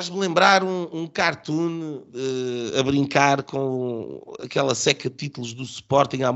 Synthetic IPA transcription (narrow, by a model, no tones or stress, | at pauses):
aʒmlˠẽmbɾaɾũũkaɾt̪ũnɛɐβɾĩŋkaɾkõ | ɐ̰kɛlˠɐsɛkɐð̚t̪it̪ulˠuʒðusu̥pɔɾt̪ĩa